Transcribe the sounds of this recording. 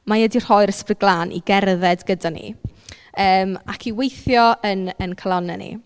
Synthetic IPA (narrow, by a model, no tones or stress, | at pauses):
majɛdir̥hɔjɾəsbəɡlˠaːnʔḭɡɛrðɛdɡədanḭ | əːmakʰiwejθjɔənənkʰalˠɔnɛnḭ